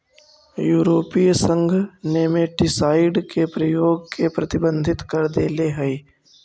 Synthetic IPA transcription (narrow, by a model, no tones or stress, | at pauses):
juːɾoːpiːsə̃ŋɡʱneːmẽʈɪsaːɪɖkepɾəjoːɡ̚kʰepɾɐt̪ɪbə̃nd̪ʱɪt̪kəɾd̪eːleɦəi